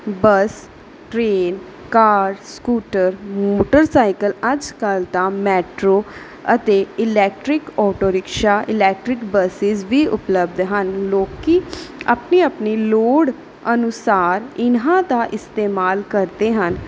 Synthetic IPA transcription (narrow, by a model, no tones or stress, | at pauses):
bəs | ʈɾeːn | kaːɖskuːʈəɾmoːʈəɾsaːɪkələd͡ʒkəlt̪ãːmɛːʈɾoː | ət̪eːɪlɛːk̚ʈɾɪkɔːʈoːɾɪkʃaːʔɪlɛːk̚ʈɾɪkbəsɪzʋiːʔʊ̰pləbd̪ɦənloːkiːa̰pniːəpniːloːɽ | ənʊsaːɾɪnɦãːd̪aːʔɪst̪eːmaːlkəɾd̪eːɦən